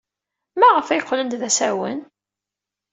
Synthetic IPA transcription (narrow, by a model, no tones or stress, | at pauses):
mæʁəfæjəqːləmd̪ðæsæwə̰n